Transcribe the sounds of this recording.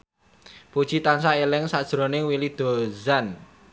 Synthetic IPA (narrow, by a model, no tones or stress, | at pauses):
pud̥ʒ̥i̤t̪ansaelɪŋsad̥ʒ̥ɾo̤nɪŋwilid̪̥o̤zan